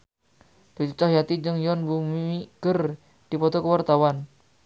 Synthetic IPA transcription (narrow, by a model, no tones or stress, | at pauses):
d̪̥ut͡ʃut͡ʃahjat̪id͡ʒəŋjɔnbumiiɡ̥ər | d̪̥i̤pɔt̪ɔkəwart̪awan